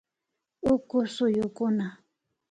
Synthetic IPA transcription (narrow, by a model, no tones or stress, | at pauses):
ʊkʊsʊjʊkʊna